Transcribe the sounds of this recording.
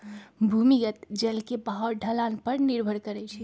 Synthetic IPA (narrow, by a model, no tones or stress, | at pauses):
bʱumijət̪d͡ʒelkebaɦəɾɖʱəlanpəɾniɾbʱəɽkəɾɛt͡ʃʰɛ